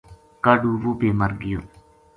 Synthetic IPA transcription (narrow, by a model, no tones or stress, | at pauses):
kaɖuːʋoːbeːməɾɡɪjoː